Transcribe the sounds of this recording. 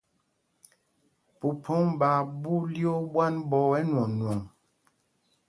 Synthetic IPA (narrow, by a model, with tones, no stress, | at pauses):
pu˨pʰo˦ŋba˨bu˦ljo˦bwa˦nbɔ˨ɛ˦nwɔ˨ŋnwɔ˨ŋ